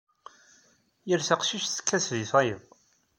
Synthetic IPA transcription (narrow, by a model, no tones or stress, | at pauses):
jəɾθəqʃiʃθə̥kʰːæsðiθɑjəð